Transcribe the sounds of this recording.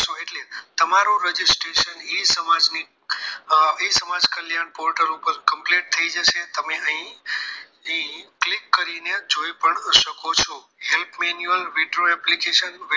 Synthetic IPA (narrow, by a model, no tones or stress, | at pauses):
soeʈlet̪əmaɾũɾəd͡ʒisʈɾeʃənisəmad͡ʒni | isəmad͡ʒkəljanpoɾʈəɾũpəɾkəmpleʈ̚t̪ʰəid͡ʒəʃet̪əmeəɦĩ | əĩklikːəɾined͡ʒoipəɳʃəkot͡ʃʰo | ɦelpʰmenjuəlʋiɖoɛplikeʃənʋ